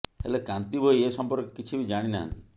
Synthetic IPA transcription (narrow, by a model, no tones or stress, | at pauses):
helekant̪ibʱojesɔmpɔɾkɔkit͡ʃʰibid͡ʒaɽ̃ina̰ɦa̰nt̪i